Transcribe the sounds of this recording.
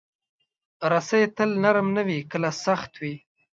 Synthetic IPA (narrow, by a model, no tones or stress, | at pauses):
ɾasajet̪əlnaɾmnawikəlasaxt̪wi